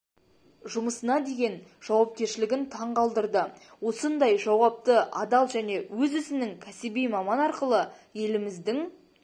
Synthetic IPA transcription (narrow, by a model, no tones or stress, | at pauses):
ʒʊməsənɑd̪e̞ɡʲe̞nʒ̥ɑwɑp̚kʲe̞ɾʃɪlɪɡʲɪnt̪ʰɑɴqɑlˠd̪əɾd̪əwo̞sənd̪ɑjʒɑwɑp̚t̪əʔɑd̪ɑlˠʒæne̞wɵzʏzɪnɪŋkʲʰæsɪbijmɑmɑnɑɾqəlˠəje̞lɪmɪzd̪ɪŋ